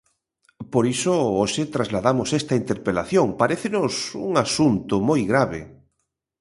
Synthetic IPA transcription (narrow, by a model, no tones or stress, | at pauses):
poɾisooʃet̪ɾazlaðamʊsest̪aint̪eɾpelaθjoŋpaɾeθenʊsṵŋasunt̪ʊmojɣɾaβḛ